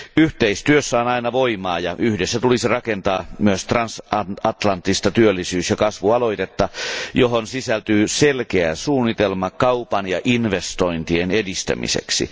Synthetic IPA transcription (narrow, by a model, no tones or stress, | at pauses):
yht̪eist̪yøsːæonɑinɑʋoimɑːjɑʔyhdesːæt̪ulisirɑkent̪ɑːmyøst̪rɑnsɑɑt̪lɑnt̪ːist̪ɑt̪yølːisyːsjɑkɑsʋuɑlo̞it̪et̪ːɑjoɦonsisælt̪yːselkeæsuːnːit̪elmɑkɑupɑnjɑʔinʋest̪oint̪ienedist̪æ̰mḭsḛksḭ